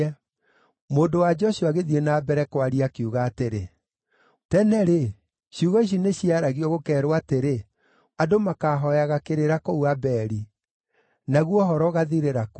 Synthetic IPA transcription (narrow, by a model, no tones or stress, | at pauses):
ɛ | moːndowad͡ʒɔʃuaɣeðienaːbɛɾɛkwaɾiakiuɣaːteɾe | tɛnɛɾe | ʃiuɣɔiɕ̬ineɕiaɾaɣiɔɣokɛːɾwateɾe | adomakaɦɔjaɣakeɾeɾakouabɛɾi | naɣwɔɦɔɾɔɣaðiɾeɾak